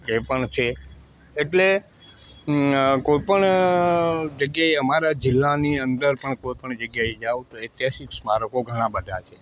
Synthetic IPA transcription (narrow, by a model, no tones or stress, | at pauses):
epəɳt͡ʃʰe | eʈle | koipəɳ | d͡ʒəɡjaeəmaɾad͡ʒɪlːaniənd̪əɾpəɳkoipəɳd͡ʒəɡjaed͡ʒaʋt̪oet̪jaʃiksmaɾəkoɡʱəɽ̃ãbəd̪ʱat͡ʃʰe